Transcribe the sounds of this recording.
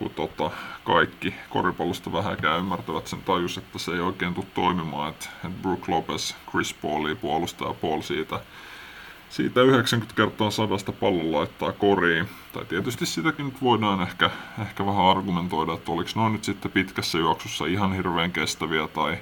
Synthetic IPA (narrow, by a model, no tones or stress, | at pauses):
kṵt̪ot̪ɑkɑikːiko̰ripɑlːust̪ɑʋæhækæːymːært̪æʋæt̪sent̪ɑjuset̪ːæseeioikeːnt̪ut̪t̪oimimɑ̰ːet̪et̪bruːklopeskrispoliːpuolust̪ɑ̰ɑ̰puolsiːt̪æ | sḭːt̪æyheksæŋkynt̪kert̪ˑɑːsɑdɑst̪ɑpɑlːollɑit̪ːɑ̰ːkoriːt̪ɑ̰it̪iet̪yst̪issit̪ækinnyt̪ʋoidɑːnehkæehkæʋæhæɑrɡument̪oidɑet̪ːoliksnoinyt̪sit̪ːepit̪kæsːæjuɑksusːɑ̰ihɑnhirʋeːŋkest̪æʋiæt̪ɑi